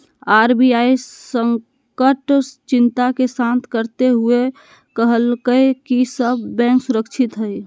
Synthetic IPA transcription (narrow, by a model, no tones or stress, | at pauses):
aɾbiaijsəŋ | kəʈt͡ʃint̪akesãnt̪ʰkəɾt̪eɦue | kəɦəlkəkisəbːɛ̃ŋksuɾəkt͡ʃʰit̪ɦəj